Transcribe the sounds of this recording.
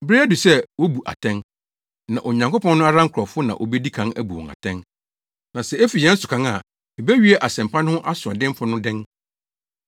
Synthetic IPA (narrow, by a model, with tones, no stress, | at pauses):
bɾe˦æ˦du˨sɛ˦wo˦bu˨ʔa̰˨tʰɛ̃˦ŋ | nã̰˨ʔo˨ɲã˨ŋko˦pʰɔ̃˦nːʊ̃˦a˦ɾã˦ŋ̩˦kʰɾɔ˨fʊ˦nã̰˨ʔo˨bɛ˦di˦kʰã˦næ˦bu˨ɔ̃˨ŋa̰˨tʰɛ̃˦n | nã˨sɛ˨e˦fi˨jɛ̃˦n̩˦sʊ˨kʰã˨˦ŋa˨ | e˨bæ˦ɥi˦ɛ˦ʔa˨sɛ̃˨m˨pʰã˦ñ˦hʊ̃˦ʔa˦sʊ˨ã˨dɪ̃˦m˦fʊ˦nʊ̃˦dɪ̃˦n